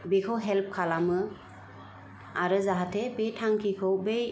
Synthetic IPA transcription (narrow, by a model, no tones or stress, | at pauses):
bekʰɔwɦɛlp̚kʰalamɯ | aɾɯzaɦatʰebetʰaŋkʰikʰɔwbej